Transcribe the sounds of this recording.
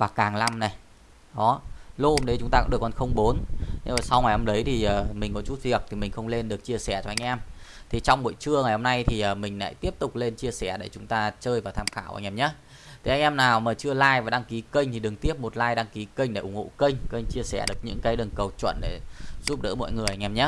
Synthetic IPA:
vaː˨˩kaː˨˩ŋla˧mna˨˩j | ɗɔ˨˦lo˧ho˧˦mɗə˨˦jt͡ɕʊ˨˦ŋ͡mt̪aː˧kɨ˨˩ə˩kɔ˨˩xə˧wŋ͡mɓo˨˦nn˧aː˨˩sa˧wŋa˨˩jho˧mɗə˨˦jt̪ʰi˨˩ʔəː˨˩mï˨˩ŋ̟kɔ˨˦t͡ɕu˦˥t̚vi˨˩ək̚t̪ʰi˨˩mï˨˩ŋ̟xə˧wŋ͡mle˧nɗɨ˨˩ək̚t͡ɕi˧əsɛ˧˩t͡ɕɔ˧ha˧ŋ̟ʔɛ˧mt̪ʰi˨˩t͡ɕɔ˧wŋ͡mɓo̰˧˨jt͡ɕɨ˧əŋa˨˩ho˧mna˧jt̪ʰi˨˩ʔəː˨˩mï˨˩ŋ̟la̰ː˧˨jt̪i˦˥əp̚t̪ʊ˨˩k͡p̚le˧nt͡ɕi˧əsɛ˧˩ɗe˧˩t͡ɕʊ˨˦ŋ͡mt̪aː˧t͡ɕəː˧jvaː˨˩t̪ʰaː˧mxaː˧˩wʔa̰˧˩ŋ̟ʔɛ˧˩mɲaə˨˦ | t̪ʰi˨˩ha˧ŋ̟ʔɛ˧mnaː˨˩wmaː˨˩t͡ɕɨ˧əlaː˧jvaː˨˩ɗaː˧ŋki˨˦kə˧jŋ̟t̪ʰi˨˩ɗɨ˨˩əŋt̪i˦˥əp̚mo˨˩t̚laː˧jɗaː˧ŋki˨˦kə˧jŋ̟ɗḛ˧˩ʔʊ˧˩ŋ͡mho̰˧˨kə˧jŋ̟kə˧jŋ̟t͡ɕi˧əsɛ̰˧˩ɗɨ˨˩ək̚ɲɨ̰˧˥ŋkaː˨˦jɗə˨˩nkə˨˩wt͡ɕwə̰˧˨nɗe˧˩zu˦˥p̚ɗə̰ː˧˥mɔ̰˧˨jŋɨ˨˩əjha˧ŋ̟ɛ˧˩mɲa˨˦˥

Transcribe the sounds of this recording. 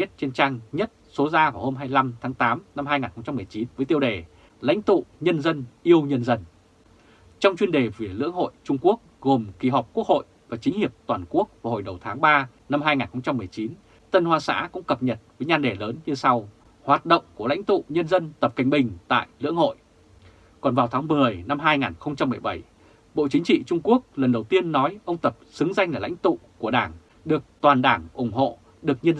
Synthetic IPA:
i˦˥t̚t͡ɕe˧nt͡ɕaː˧ŋɲə˦˥t̚so˨˦zaː˧vaː˨˩who˧mɦaː˧jla˧mt̪ʰaː˨˦ŋt̪aː˨˦mna˧mɦaː˧jŋaː˨˩nxə˧ŋ͡mt͡ɕa˧mːɨ˨˩əjt͡ɕi˨˦nvəː˨˦jt̪i˧əwɗe˧˩ | la̰˧˥jŋ̟t̪ṵ˧˨ɲə˧nzə˧nʔi˧əwɲə˧nzə˧n | t͡ɕɔ˧wŋ͡mt͡ɕwi˧ənɗe˨˩vi˨˩lɨ̰˧˥əŋho̰˧˨jt͡ɕʊ˧ŋ͡mku˦˥ək̚ɣo˨˩mki˨˩ɦɔ˨˩wk͡p̚ku˦˥ək̚ho̰˧˨jvaː˨˩t͡ɕi˨˦ŋ̟hi˨˩əp̚t̪waː˨˩nku˦˥ək̚vaː˨˩ho̰˧˩jɗə˨˩wt̪ʰaː˨˦ŋɓaː˧ | na˧mɦaː˧jŋaː˨˩nxə˧wŋ͡mt͡ɕa˧mːɨ˨˩əjt͡ɕi˨˦n | t̪ə˧nhwaː˧sa̰ː˧˥kʊ̰˧˥ŋ͡mkə˨˩p̚ɲə˨˩t̚vəː˨˦jɲaː˧nɗe˧˩ləː˨˦nɲɨ˧sa˧w | hwaː˨˩t̚ɗə̰˧˨wŋ͡mkəla̰˧˥jŋ̟t̪ṵ˧˨ɲə˧nzə˧nt̪ə˨˩p̚kä˨˩ŋ̟ɓï˨˩ŋ̟t̪a̰ː˧˨jlɨ̰˧˥əŋho̰˧˨j | kɔ˨˩nvaː˨˩wt̪ʰaː˨˦ŋmɨ˨˩əjna˧mɦaː˧jŋaː˨˩nxə˧wŋ͡mt͡ɕa˧mːɨ˨˩əjɓə˧˩j | ɓo̰˧˨t͡ɕï˨˦ŋ̟t͡ɕḭ˧˨t͡ɕʊ˧ŋ͡mku˦˥ək̚lə˨˩nɗə˨˩wt̪i˧ənːɔ˨˦jʔə˧wŋ͡mt̪ə˨˩p̚sɨ˨˦ŋza˧ŋlaː˨˩la̰˧˥jŋt̪ṵ˧˨ku˧˩əɗaː˧˩ŋ | ɗɨ˨˩ək̚t̪waː˨˩nɗaː˧˩ŋʔʊ˧˩ŋ͡mho̰˧˨ | ɗɨ˨˩ək̚ɲə˧n

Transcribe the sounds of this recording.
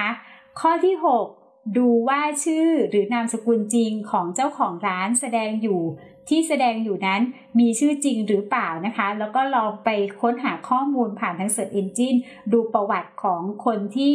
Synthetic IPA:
kʰɔː˥˩t̪ʰiː˥˩ɦo˨˩k̚ | duː˧waː˥˩t͡ɕʰɯː˥˩ɾɯː˩˦naː˧msa˧ku˧nt͡ɕi˧ŋkʰɔː˩˦ŋt͡ɕa˥˩wkʰɔː˩˦ŋɾaː˦˥nsa˧dɛː˧ŋjuː˨˩ | t̪ʰiː˥˩sa˧dɛː˧ŋjuː˨˩na˦˥n | miː˧t͡ɕʰɯː˥˩t͡ɕi˧ŋɾɯː˩˦plaː˨˩wna˦˥kʰa˦˥lɛː˦˥wkɔː˥˩lɔː˧ŋpa˧jkʰo˦˥nɦaː˩˦kʰɔː˥˩muː˧npʰaː˨˩nt̪ʰa˧˥ŋsu˨˩ət̪ʔe˧nt͡ɕi˥˩n | duː˧pɾa˧wa˨˩t̪̚kʰɔː˩˦ŋkʰo˧nt̪ʰiː˥˩

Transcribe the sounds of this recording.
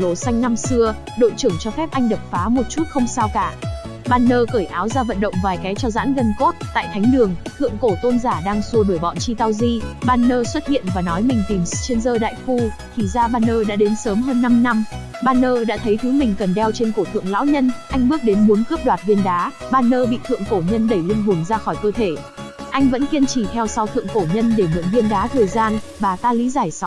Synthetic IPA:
lo˨˩sa˧jŋ̟na˧msɨ˧ə | ɗo̰˧˨jt͡ɕɨ˨˧˩əŋt͡ɕɔ˧fɛ˦˥p̚ʔa˧jŋ̟ɗə˨˩k͡p̚faː˨˦mo˨˩t̚t͡ɕu˦˥t̚xə˧wŋ͡msaː˧wkaː˧˩ | ɓaː˧nːəː˧kəː˧˩jʔaː˨˦wzaː˧və̰˧˨nɗə̰˧˨wŋ͡mvaː˨˩jkaː˨˦jt͡ɕɔ˧za̰ː˧˥nɣə˧nko˦˥t̚t̪a̰ː˧˨jt̪ʰa˨˦jŋ̟ɗɨ˨˩əŋt̪ʰɨ̰˧˨əŋko˧˩t̪o˧nzaː˧˩ɗaː˧ŋsu˧əɗo˧˩jɓɔ̰˧˨nt͡ɕi˧t̪a˧wzi˧ɓaː˧nːəː˧swə˦˥t̚hḭ˧˨ənvaː˨˩nɔ˨˦jmï˨˩ŋ̟t̪i˨˩mt͡ɕe˧nzəː˧ɗa̰ː˧˨jxu˧ | k̪ʰi˧˨˩zaː˧ɓaː˧nːəː˧ɗa̰ː˧˥ɗe˨˦nsəː˨˦mɦəː˧nːa˧mna˧m | ɓaː˧nːəː˧ɗa̰ː˧˥t̪ʰə˨˦jt̪ʰɨ˨˦mï˨˩ŋ̟kə˨˩nɗɛ˧wt͡ɕe˧nko˧˩t̪ʰɨ̰˧˨əŋla̰ː˧˥wɲə˧nʔa˧jŋ̟ɓɨ˦˥k̚ɗe˨˦nɓo˨˦nkɨ˦˥p̚ɗwaː˨˩t̚vi˧ənɗaː˨˦ | ɓaː˧nːəː˧ɓḭ˧˨t̪ʰɨ̰˧˨əŋko˧˩ɲə˧nɗə˧˩jlï˧ŋɓʊ˨˩ŋzaː˧xɔ˧˩jkəː˧t̪ʰe˧˩ | ʔa˧jŋ̟və̰˧˥nki˧ənt͡ɕi˧˩t̪ʰɛ˧wsa˧wt̪ʰɨ̰˧˨əŋko˧˩ɲə˧nɗe˧˩nɨ̰˧˨əŋvi˧ənɗaː˨˦t̪ʰəː˨˩jzaː˧nvaː˨˩t̪aː˧lḭ˧˥zaː˧˩jsa˨˦

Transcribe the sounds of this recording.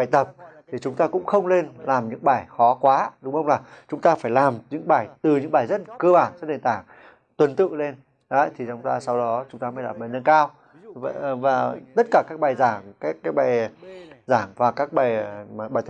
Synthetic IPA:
ɓaː˨˩jt̪ə˨˩p̚t̪ʰi˨˩t͡ɕʊ˨˦ŋ͡mt̪aː˧kʊ̰˧˥ŋ͡mxə˧wŋ͡mle˧nlaː˨˩mɲɨ̰˧˥ŋɓaː˧˩jxɔ˨˦kwaː˨˦ɗʊ˨˦ŋ͡mxə˧wŋ͡mlaː˨˩t͡ɕʊ˨˦ŋ͡mt̪aː˧faː˧˩jlaː˨˩mɲɨ̰˧˥ŋɓaː˧˩jt̪ɨ˨˩ɲɨ̰˧˥ŋɓaː˨˩jzə˦˥t̚kəː˧ɓaː˧˩nzə˦˥t̚ɗe˨˩nt̪aː˧˩ŋ | t̪wə˨˩nt̪ɨ̰˧˨le˧n | ɗə˨˦t̪ʰi˨˩t͡ɕɔ˧wŋ͡mt̪aː˧sa˧wɗɔ˨˦t͡ɕʊ˨˦ŋ͡mt̪aː˧maː˨˦jlaː˨˩mɓa˨˩jnə˧nkaː˧w | vvaː˨˩t̪ə˦˥t̚kaː˧˩kaː˦˥k̚ɓa˨˩jzaː˧˩ŋkaː˦˥kːaː˦˥k̚ɓa˨˩j | zaː˧˩ŋvaː˨˩kaː˦˥k̚ɓa˨˩jm˨˩ɓaː˨˩jt̪

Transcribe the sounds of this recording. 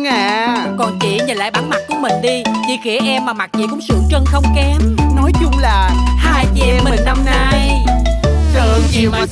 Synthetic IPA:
ŋaː˧˨kɔ˨˩nt͡ɕḭ˧˨˩ɲə˨˩nla̰ː˧˨jɓaː˨˦nma˦˥t̚ku˧˩˦əmï˨˩ŋ̟ɗi˧t͡ɕḭ˧˩xi˧˩əʔɛ˧mːaː˨˩ma˨˩t͡ɕḭ˧˩kʊ̰˧˥ŋ͡msɨ̰˧˩əŋt͡ɕə˧nxə˧wŋ͡mkɛ˨˦mnɔ˨˦jt͡ɕʊ˧ŋ͡mlaː˨˩haː˧jvi˨˩˨mə˨˩nna˧mna˧j | sɨ̰˧˨əŋi˨˩w

